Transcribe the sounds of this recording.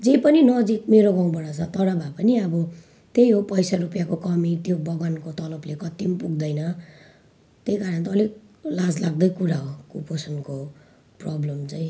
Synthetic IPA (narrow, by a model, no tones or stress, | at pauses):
d͡zepʌninʌd͡zik̚meɾoɡaw̃bʌɽat͡sʰʌt̪ʌɽʌbʱapʌniʌbʌ | t̪ejɦopʌjsaɾupjakokʌmit̪jobʌɡwankot̪ʌlʌblekʌt̪impuɡ̚d̪ʌjnʌ | t̪ejkaɾʌnt̪ːliklad͡zlaɡ̚d̪ʌjkuɾaɦokuposʌnko | prʌblʌmt͡saĩ